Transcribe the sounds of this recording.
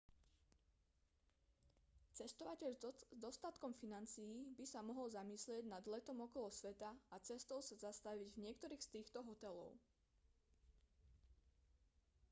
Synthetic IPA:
t͡sɛst̪ɔʋacɛʎzd̪ɔst̪at̪kɔmfinant͡sijːbisamɔɦɔlzamislɪɛɟnad̪lɛt̪ɔmɔkɔlɔsʋɛt̪aat͡sɛst̪ɔʊsazast̪aʋiɟvɲɪɛkt̪ɔɾiːxst̪iːxt̪ɔɦɔt̪ɛlɔ̰ʊ

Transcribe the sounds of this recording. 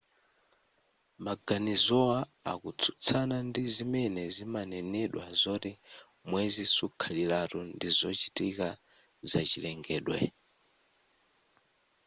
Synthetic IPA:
maɡanizɔwaa̰kut͡sʰu̥t͡sʰanandizimɛnɛzimanɛnɛɗwazɔti | mwɛzisukʰalilaɾundizɔt͡ʃitika | zat͡ʃilɛŋɡɛːɗwɛ̰

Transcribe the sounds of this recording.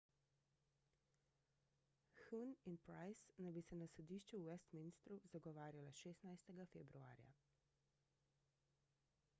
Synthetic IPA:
xuninpɾajsnajbisɛnasɔd̪iːʃt͡ʃuuʋɛst̪minst̪ɾuzaɡɔʋaːɾjalaʃeːst̪najst̪ɛɡafɛbɾua̰ːɾja̰

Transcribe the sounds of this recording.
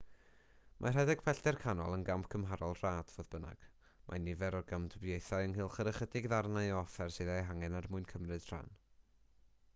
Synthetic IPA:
mʔa̰r̥ɛdɛɡ̥pʰɛɬdɛrkʰanɔlˠənɡampʰkʰəmɦaɾɔlˠr̥aːd̥voːðbəna̰ɡ̥ | mʔa̰nɪvɛɾɔrɡamdəbjejθaɨənɦɨːlˠχəɾəχədɪɡðarnaɨɔfɛrsɨðajɦaŋɛnarmʊɨnkʰəmrɨd̥r̥a̰n

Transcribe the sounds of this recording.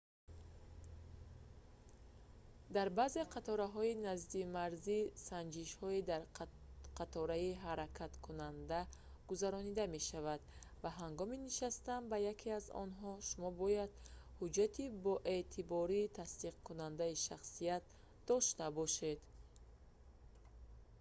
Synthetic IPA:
d̪aɾbaze̞qʰat̪ʰɔɾaɦɔinazd̪imaɾzisand͡ʒiʃhɔid̪aɾ | qʰat̪ʰɔɾaiɦaɾakʰat̪kʰunand̪a | ɡ̥uzaɾɔnid̪ame̞ʃavad̪ | vaɦaŋɡɔminiʃast̪ambajakʰiazɔ̰nɦɔʃumɔbɔjad̪̥hud͡ʒat̪ʰibɔʔe̞t̪ʰibɔɾiːt̪ʰast̪iqkunand̪aiʃaχsijat̪̚ | d̪ɔʃt̪abɔʃe̞d̪

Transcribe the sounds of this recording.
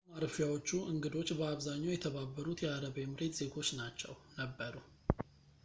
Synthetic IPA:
maɾfjawo̞t͡ʃːuʔɨŋɡɨd̪o̞t͡ʃːbəaβzaɲːawjɛt̪ʰəβabːəɾut̪jɛaɾəβemɨɾe̞t̪z̥e̞ɡot͡ʃːnat͡ʃːɛ̰wnəbːəɾu

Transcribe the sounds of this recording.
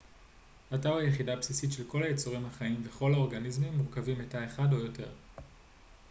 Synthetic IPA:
ataʁajeχidapsisitʃe̞lko̞lajet͡soʁimhaχaimveχo̞lao̞ʁɡanizmimːuʁkavimetae̞χadojo̞te̞̰ʁ

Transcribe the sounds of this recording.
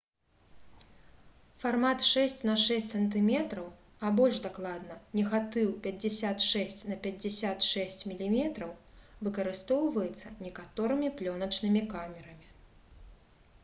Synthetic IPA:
farmat̪ʂɛsʲt͡sʲnɐʂɛsʲtʲsɐnt̪ɨmʲɛt̪ɾɐw | ɐbɔlʲʐd̪aklˠad̪nɐnʲɛɣat̪ɨwpʲɐd͡zʲɛsʲat̪ʂɛsʲt͡sʲnɐpʲɐd͡zʲɛsʲat̪ʂɛsʲt͡sʲmʲilʲimʲɛt̪ɾɐwvɨkɐɾɨst̪ɔwvɐjɛt̪sːɐnʲɛkat̪ɔɾɨmʲiplʲɔnɐt͡ʂnɨmʲikamʲɛɾɐmʲi

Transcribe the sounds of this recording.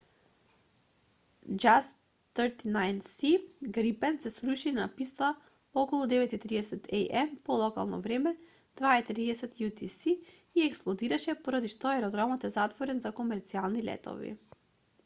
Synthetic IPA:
d͡ʒas | əɾt̪inajnsiɡɾipɛnsɛsɾuʃinapist̪a | ɔkɔlˠud̪ɛvɛt̪it̪ɾiɛsɛt̪ʰɛ̰jʔɛmpɔlˠɔka̰lˠnɔ̰vɾɛmɛ | d̪̥vait̪ɾiɛsɛt̪jut̪isiː | ɛksplˠɔd̪iɾaʃɛpɔɾad̪iʃt̪ɔɛɾɔd̪ɾamɔt̪ɛzat̪vɔɾɛnzakomɛɾt̪sialˠnilɛ̰t̪ɔ̰vḭ

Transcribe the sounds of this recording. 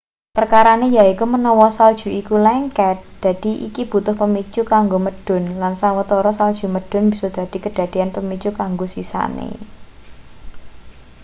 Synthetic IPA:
pərkaɾanejaikumənɔwɔsald̥ʒ̥ṳikulɛŋkɛt̪̚d̪̥a̤d̪̥i̤ʔḭkib̥ṳt̪ʊhpəmit͡ʃukaŋɡoməd̥ʊ̤nlansawət̪ɔɾɔsald̥ʒ̥ṳməɖ̥ʊ̤nbisɔd̪̥ä̤d̪̥i̤kəd̥a̤d̪̥i̤anpəmit͡ʃukaŋɡosisa̰nḛ

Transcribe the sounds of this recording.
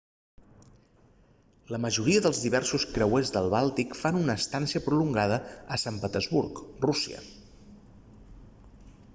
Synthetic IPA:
ləməʒuɾiəðəlˠzðiβ̞ɛrsuskɾəwezðəlˠβalˠt̪ikfanunəːst̪ansiəpɾuluŋɡaðəəsampət̪əzβurkrusiə̰

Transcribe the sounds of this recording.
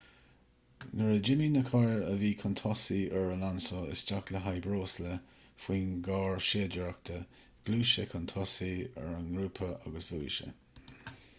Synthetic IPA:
nəɹəd͡ʒɪminəkʰaɹəviːkʰənt̪ʰɔsiɛɹəlansɔɪ̰sd͡ʒakləɦajbɾoːslə | fwiːnɡɑːɹʃeːd͡ʒəɹak̚t̪ʰə | ɡ̥luːʃəkʰənt̪ʰɔsiɛ̰ɹənɡɾuːpʰəʔa̰ɡəsvuːʃə̰

